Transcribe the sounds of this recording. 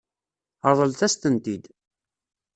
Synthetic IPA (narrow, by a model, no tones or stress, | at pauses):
ɑðˤəlt̪æst̪ənt̪id̪